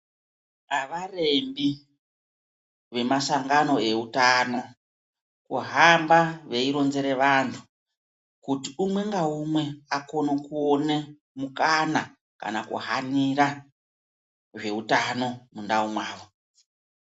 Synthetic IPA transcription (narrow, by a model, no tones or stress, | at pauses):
aʋare̞mbi | ʋe̞masaŋɡano̞e̞utano̞ | kuɦambaʋe̞iɾo̞nze̞ɾe̞ʋantʰu̥ | kutiumwe̞ŋɡaumwe̞ako̞nokuone | mukana | ka̰nakṵɦaniɾa | ʐe̞utano̞mundaumwaːʋo